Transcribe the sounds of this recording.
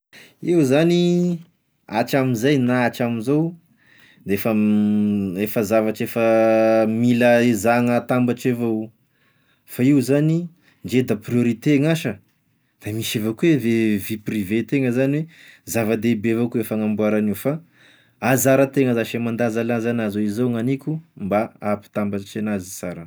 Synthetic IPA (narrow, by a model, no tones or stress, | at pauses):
iwzani | a̰t͡ʃamizajnaat͡ʃaminzow | d̪eefə | efəzavaʈ͡ʂefəmiləizaŋət̪ambaʈ͡ʂevow | faiwzani | ɳd͡ʒed̪aprioɾit̪eŋaʃə | d̪̥amiʃevokuweveviprivet̪eŋəzaniwezavəd̪ebevokuefəŋambuaɾaniwfa | azaɾət̪eŋəzaʃemand̪azalazanazoizowŋanikʲumbaapi̥t̪ambat͡ʃanazisaɾə